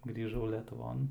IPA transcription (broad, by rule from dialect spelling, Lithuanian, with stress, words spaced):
ɡrʲiːˈʒɐʊ lʲɛtʊˈʋoːn